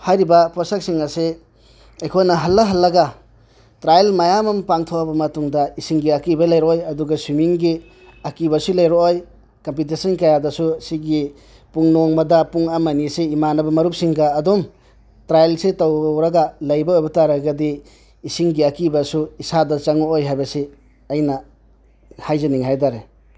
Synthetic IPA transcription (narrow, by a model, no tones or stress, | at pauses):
hajɾibɐpɔsak̚siŋase | ejkʰojnɐɦɐlːɐɦɐlːɐɡa | tɾajlmajamɐmpaŋtʰowabɐmɐtuŋdɐisiŋɡiakibɐlɐjɾoojɐduɡɐswimiŋɡi | akibɐsulɐjɾooj | kɐmpit̬esɐnkajadɐsusiɡi | puŋnɔŋmɐdɐpuŋamaniseimanɐbɐmɐɾup̚siŋɡaːdum | tɾajlsetawɾaɡalɐjbaojbɐtaɾaɡɐdiː | siŋɡiakibɐsuisadɐt͡ʃaŋɔojɦajbɐse | ɐjnɐ | hajzaniŋɦajdaɾe